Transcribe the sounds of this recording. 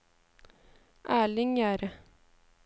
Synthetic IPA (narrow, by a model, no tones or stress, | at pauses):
ʔæːɭɪŋjæːɾə